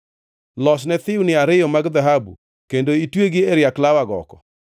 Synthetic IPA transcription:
lɔsnɛt̪ɪwunɪaɾɪjɔmaɡd̪aɦabṵ | kendoitweɡɪeɾjaklawaɡɔ̰kɔ̰

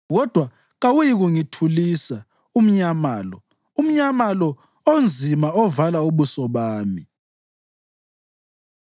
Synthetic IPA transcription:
ɣɔd̥ʱwa | ɣawujiɣuŋitʰulisa | um̩ɲamaːlɔ | um̩ɲamalɔ | ond͡zʱimaɔvalauβusɔβaːmi

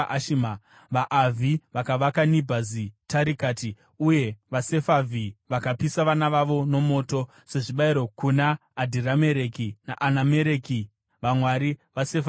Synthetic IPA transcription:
ʔaʃima | ʋaʔavʱiʋakaʋakanibʱazitaɾikaːti | uje̞ʋase̞favʱiʋakapisaʋanaʋaʋo̞no̞mo̞ːto̞ | se̞ʐiɓaiɾo̞kunaːdʱiɾame̞ɾekina̰ʔanameɾeki | ʋamwaɾiʋasefa

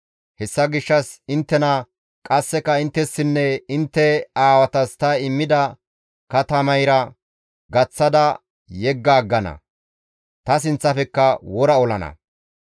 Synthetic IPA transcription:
hɛsːɐɡɪʃːɐsɪnt̪ːɛnɐ | kʼɐsːɛkɐɪnt̪ːɛsːɪnːɛɪnt̪ːɛaːwɐt̪ɐst̪ɐɪmːɪd̪ɐ | kɐt̪ɐmɐjɾɐ | ɡɐt͡sːɐd̪ɐ | jɛɡːaːɡːɐnɐ̰ | t̪ɐs̬ɪnt͡sːɐfɛkːɐwɔɾɐɔlɐnɐ̰

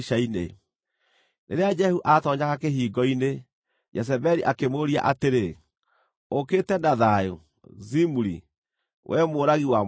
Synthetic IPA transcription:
ʃainḛ | neɾead͡ʒɛhuʔatɔɲaɣakeɦiːɡɔine | d͡ʒɛs̬ɛbɛɾiʔakemoɾia̰ʔateɾe | okeːtɛnaðajo̰ | zimuɾḭ | wʔɛmoːɾaɣiwa

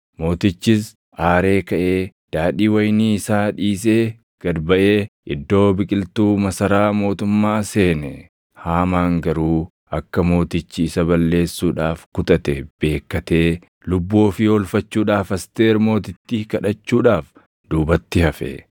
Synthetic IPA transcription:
mo̞ːt̪ɪt͡ʃːɪs | ʔaːɾe̞ːkɐʔe̞ː | d̪̥aːᶑiːwɐjniːɪsaːᶑiːs̬eː | ɡ̥ɐd̪bɐʔe̞ːʔɪd̪ːo̞ːbɪkʼɪlt̪uːmɐsɐɾaːmo̞ːt̪ʊmːaːse̞ːnɛ | haːmaːŋɡɐɾuː | ʔɐkːɐmo̞ːt̪ɪt͡ʃːɪːsɐβɐlːe̞ːsːuːᶑaːfkʊt̪ʼɐt̪ɛb̥e̞ːkːɐt̪e̞ː | lʊbːoːfɪɔlfɐt͡ʃːuːᶑaːfɐst̪e̞ːɾmo̞ːt̪̬ɪt̪ːiːkɐᶑɐt͡ʃːuːᶑaːf | d̪̥uːbɐt̪ːɪhɐfɛ̰

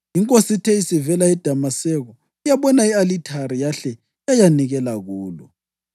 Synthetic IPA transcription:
iŋkʼositʰɛisivɛlaɛd̥ʱamasɛɣɔ | ijaβɔnaialitʰaɾijaɬɛ | jajaniɣɛlaɣuːlɔ̰

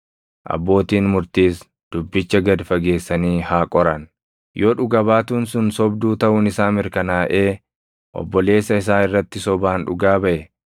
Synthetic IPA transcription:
ʔɐ̰bːo̞ːt̪iːnmʊɾt̪iːs | d̪̥ʊbːɪt͡ʃːɐɡɐd̪fɐɡe̞ːsːɐniːhaːkʼɔɾɐn | joːᶑʊɡɐbaːt̪uːnsʊnsɔbd̪uːt̪ɐʔʊnɪsaːmɪɾkɐnaːʔe̞ː | ʔɔ̰bːɔle̞ːsːɐɪsaːɪrːɐt̪ːɪsɔbaːnᶑʊɡaːbɐʔɛ

